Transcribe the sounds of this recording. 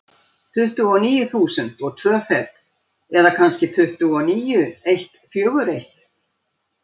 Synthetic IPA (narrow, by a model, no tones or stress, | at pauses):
t̪ʰʏht̪ʏɔniːjʏθuːsʏnt̪ɔɣt̪ʰvœːfɛɾt̪ | ɛðakʰanscɪt̪ʰʏht̪ʏɔniːjʏejht̪fjœːɣʏɾejht̪